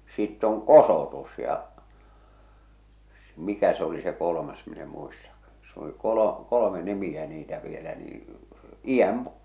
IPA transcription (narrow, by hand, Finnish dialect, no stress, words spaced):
sitː oŋ kosoˑtus jɑ s mikæ se oli se kolomɑs min e muistɑkːɑ̥ s oli kolo kolome nimiæ niːtæ ʋielæ niː ij̆æm